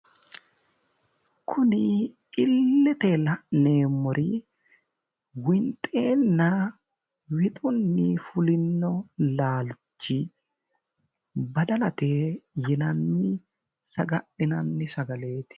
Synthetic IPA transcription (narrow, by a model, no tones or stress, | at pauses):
kʰʊnɪ | ɪlːɛt̪elɐne̞ːmːɔɾʔi | wɪnt̪ʼe̞ːnːɐ | wɪt̪ʼʊnːɪfʊlɪnːɔlaːlt͡ʃːɪ | bɐd̪ɐlɐt̪eːjɪnɐnːɪ | sɐɡɐʔɪnɐnːɪsɐɡɐle̞ːt̪ɪ̥